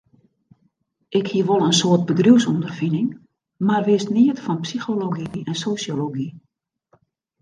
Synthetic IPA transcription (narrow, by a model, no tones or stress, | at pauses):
ʔɪkhiəʋolˠənsoət̚bədruwsundərfinɪŋ | marʋɪəstniətfɔnpsixoloɡiɛnsosjoloɡi